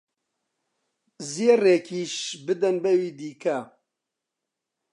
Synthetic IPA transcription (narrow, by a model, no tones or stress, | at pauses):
zerekiːʃbɨd̪ɐnbɐwiːd̪iːkɐ